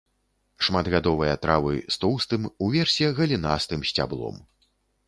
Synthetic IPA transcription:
ʂmad̪ɣad̪ɔvɨjɐt̪ɾavɨ̰st̪ɔwst̪ɨmuvʲɛrsʲɛɣɐlʲinast̪ɨmsʲt͡sʲa̰blˠɔ̰m

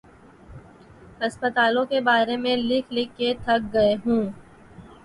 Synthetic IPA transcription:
ɦɐspət̪aːlõkebaːɾemẽlɪkʰlɪkːet̪ʰɐk̚ɡɐeɦũː

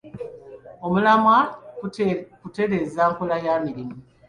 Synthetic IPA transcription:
o̞mulama | kute̞ɾe̞zaːŋkulajaːmiɾimu

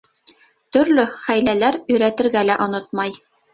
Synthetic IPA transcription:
t̪ɵ̆ɾlɵχæjlælæɾɵ̆jɾæt̪ɘ̆ɾɡælæʔŏnot̪̚mɑj

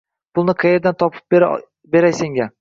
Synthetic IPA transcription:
pʰʊlˠnɪqʰɨjeɾd̪ant̪ʰɒpʰɪ̥p̚ | be̞ɾajseŋɡʲa

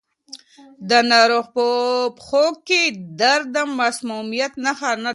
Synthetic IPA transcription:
d̪ənaɾoxpopxoɡkːid̪aɾd̪amːasmumijat̪naxana

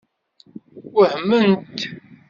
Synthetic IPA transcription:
wəhəmːənt̪

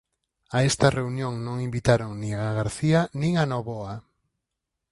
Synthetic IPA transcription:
aest̪ɐreunjõŋnõŋimbit̪aɾoŋnĩŋaɣaɾθianĩŋanoβoa

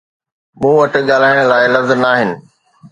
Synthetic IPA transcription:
mũːʋɐʈɪɠaːl̤aːɪɽ̃ə̆laːɪlɐzənaːɦɪnɪ̆

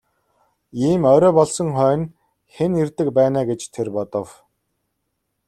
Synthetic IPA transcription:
iːmœːɾœːpɔɮsɞ̆ŋχœːn | xenirt̪ɘ̆kpæːnaːɡet͡ɕt̪ʰerpɔt̪ɞ̆w

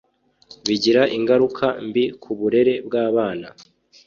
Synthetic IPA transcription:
βiɟiɾaʔiŋɡaɾukʰambikʰuβuɾe̞ɾe̞bɡaːβaːna

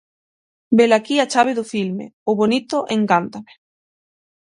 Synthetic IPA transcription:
belakiat͡ʃaβ̞eðufilmḛoβonit̪oʔẽŋkant̪ame̥

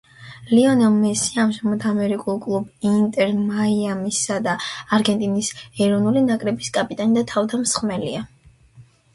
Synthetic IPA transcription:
liɔnɛlˠmɛsiaamʒamɔd̪amɛɾikʼulˠkʼlˠubint̪ʼɛɾmaiamisad̪aːɾɡɛnt̪ʼinisɛɾɔnulinakʼɾɛbiskʼapʼit̪ʼanid̪at̪ʰavd̪amsχmɛlḭa

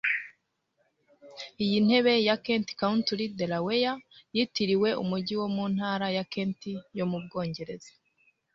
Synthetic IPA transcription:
ijin̥he̞βe̞jakeːnti̥kauntuɾidelawejajitiɾiwe̞ṵmuɟiwo̞mun̥haːɾajakeːntijo̞mub̚ɡo̞ːɲɟe̞ɾe̞ze̥

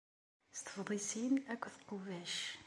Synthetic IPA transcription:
st̪ə̥fðˤisinækʷːθə̥qːʊvæʃ

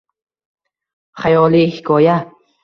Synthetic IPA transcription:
χajɒlihkʰɔja

